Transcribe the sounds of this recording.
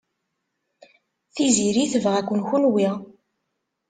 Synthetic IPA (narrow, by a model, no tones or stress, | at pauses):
θiziɾiθəvʁækʷːənxunwi